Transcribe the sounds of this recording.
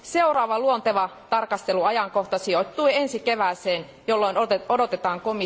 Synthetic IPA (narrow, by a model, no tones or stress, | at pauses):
seurɑːʋɑluont̪eʋɑt̪ɑrkɑst̪eluɑjɑŋko̞ht̪ɑsiot̪ːuie̞nsikeʋæːseːn | jolːoinoodo̞t̪et̪ɑːŋkomi